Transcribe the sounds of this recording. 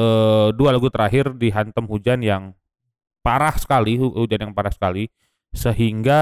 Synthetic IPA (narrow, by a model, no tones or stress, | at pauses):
ədualaɡut̪əɾaɦɪrdiɦant̪əmhud͡ʒanjaŋ | paɾahsə̥kalihud͡ʒanjaŋpaɾahsə̥kali | səɦiŋɡa